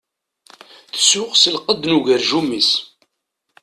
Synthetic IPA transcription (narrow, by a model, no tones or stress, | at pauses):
θə̥sʊqsəlqəd̪nuʝəɾʒumːis